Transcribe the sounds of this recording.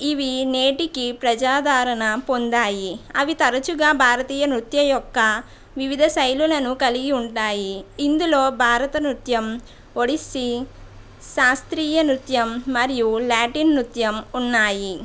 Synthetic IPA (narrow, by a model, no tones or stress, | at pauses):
iʋineːʈikipɾɐd͡ʒaːd̪ʱaːɾɐɳɐpond̪aːjiɐʋit̪ɐɾɐt͡ʃuɡaːbʱaːɾɐt̪iːjɐnɾut̪jɐjɔkːɐ | ʋiʋid̪ʱɐsɐjlulɐnukɐliɡiuɳʈaːjiːnd̪uloːbʱaːɾɐt̪ɐnɾut̪jɐm | oɽisi | ʃaːst̪ɾiːjɐnɾut̪jɐmːɐɾijulaːʈinːɾut̪jɐmunːaːji